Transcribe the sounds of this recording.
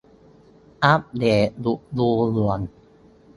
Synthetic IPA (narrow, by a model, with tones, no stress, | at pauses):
ʔa˦˥p̚deː˨˩lu˨ʔluː˧lu˨˩ən